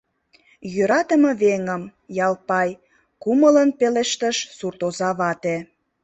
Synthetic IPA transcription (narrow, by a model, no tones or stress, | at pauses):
jøɾɑt̪əmə̆βeŋəmjɑlpɑj | kumələnpeleʃt̪əʃsurt̪ozɑβɑt̪e